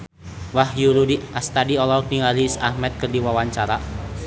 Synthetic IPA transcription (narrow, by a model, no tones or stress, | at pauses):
wahjuɾudiast̪adiɔlɔkniŋaɾisahmɛt̪̚kərdiwawaɲt͡ʃaɾa